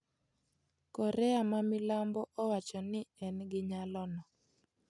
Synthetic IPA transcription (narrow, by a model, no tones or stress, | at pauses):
kɔɾɛamamɪlambɔʔɔwat͡ʃɔnɪɛnɡɪɲalɔnɔ